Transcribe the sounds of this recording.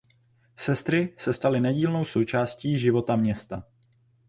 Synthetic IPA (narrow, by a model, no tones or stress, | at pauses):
sɛst̪ɾɪsɛst̪alɪnɛɟiːlno̞wso̞wt͡ʃaːsciːʒɪvo̞t̪amɲɛst̪a